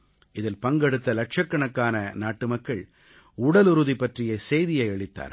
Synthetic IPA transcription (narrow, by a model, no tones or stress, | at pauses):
ɪðɪlpɐŋɡɛɽɯt̪ːɐlɐk̚ʂɐkːɐɳɐkːaːnɐnaːʈːɯmɐkːɐɭ | ʊɽɐlʊɾʊðipːɐʈrɪjɐsɛjðɪjɐɪɛɭɪt̪ːa̰ːɾ